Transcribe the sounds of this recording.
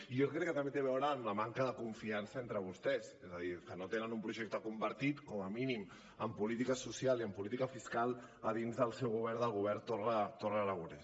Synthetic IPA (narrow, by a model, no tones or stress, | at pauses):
ijokɾɛkːət̪əmbet̪eβ̞ɛwɾəːmləmaŋkəðəkuɱfiansəent̪ɾəβ̞ust̪ɛsezəðikənot̪enənumpɾuʒɛk̚t̪əkumbəɾt̪it̪kɔməminim | əmpulit̪ikəsusialˠiəmpulit̪ikəfiskalˠəðinzðəlˠsɛwɣ̞uβɛɾðəlˠɣuβ̞ɛɾt̪orət̪orələɣuɾɛs